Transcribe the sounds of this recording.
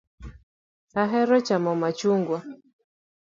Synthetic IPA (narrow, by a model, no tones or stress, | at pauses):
aɦɛɾɔt͡ʃamɔmat͡ʃuŋɡwa